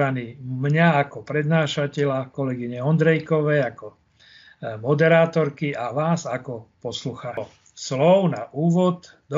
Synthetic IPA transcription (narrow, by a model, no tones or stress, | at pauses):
aniːmɲaakɔpɾɛd̪naːʃacɛʎakɔlɛɡiɲɛɔnd̪ɾɛjkɔʋɛjakɔ | mɔd̪ɛɾaːt̪ɔɾkiaʋaːzakɔpɔsluxaː | slɔʊnaʔuːʋɔd̪ | d̪ɔ